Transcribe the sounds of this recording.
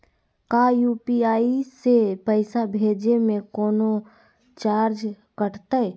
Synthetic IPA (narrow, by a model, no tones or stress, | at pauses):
kajuːpiaːisepəɪsabʱeːd͡ʒemẽkoːno | t͡ʃaːɾd͡ʒ | kəʈʰt̪əɛ